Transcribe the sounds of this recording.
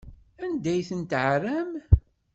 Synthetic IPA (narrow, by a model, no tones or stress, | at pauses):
ænd̪æjθənt̪ʕræm